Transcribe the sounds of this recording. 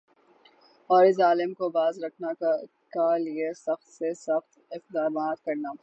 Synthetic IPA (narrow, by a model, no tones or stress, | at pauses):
ɔːɾɪs̬aːlɪmkobaːzɾɐkʰna | kaliesɐxt̪sesɐxt̪ɪq̚d̪aːmaːt̪kɐɾnaː